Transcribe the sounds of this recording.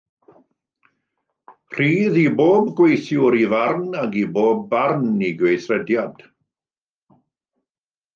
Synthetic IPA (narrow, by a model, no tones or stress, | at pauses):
r̥iːðiboːb̚ɡwejθjʊɾivarnaɡiboːbːarniɡwejθrɛdjad̥